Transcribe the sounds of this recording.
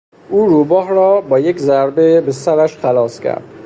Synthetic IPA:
ʔuːɾuːbɒːhɾɒːbɒːjekzæɾbebesæɾæʃxælɒːskʲʰæ̰ɾd̪̥

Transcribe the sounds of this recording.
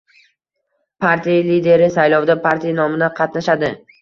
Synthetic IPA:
pʰaɾt̪ʰijalid̪e̞ɾɪsajlˠɒwd̪apʰaɾt̪ʰijanɒmɪd̪aqʰɑt̪naʃad̪ɪ

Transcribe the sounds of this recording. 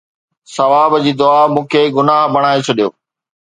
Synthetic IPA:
sɐʋaːbd͡ʑiːd̪ʊaːmũːkʰeɡʊnaːɦbʱɐɽ̃aːet͡ɕʰɐɗijo̰ː

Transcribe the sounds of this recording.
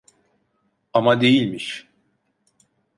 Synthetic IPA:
amad̪e̞jilʲmiʃ

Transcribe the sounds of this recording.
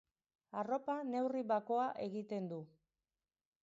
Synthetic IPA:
aro̞pane̞wriβako̞aʔe̞ɣit̪e̞nd̪u

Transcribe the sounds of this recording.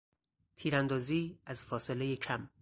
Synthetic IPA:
t̪ʰiːɾænd̪ɒːziːæzfɒːselejecʰæm

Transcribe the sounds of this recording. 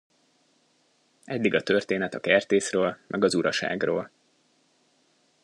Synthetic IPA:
ɛd̪ːiɡɒt̪ø̞rt̪eːnɛt̪ɒkɛrt̪eːsrøːlmʔɛɡɒzuɾɒʃa̰ːɡro̰ːl

